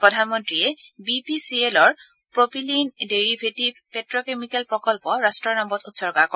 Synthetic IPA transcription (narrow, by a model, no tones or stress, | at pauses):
pɹɔdʱanmɔntɹiɛbipisielɔɹ | pɹopʰilindeɹibʱetibʱpɛtɹɔkemikɛlpɹɔkɔlpɔɹastɹɔɹnɔmbɔtutsɔɹɡakɔ